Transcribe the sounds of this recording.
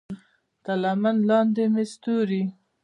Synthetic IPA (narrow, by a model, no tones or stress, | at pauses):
t̪alamanlɑnd̪emest̪uɾi